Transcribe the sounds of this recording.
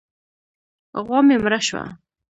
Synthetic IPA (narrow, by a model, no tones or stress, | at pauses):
ɣwɑmemɾaʃwa̰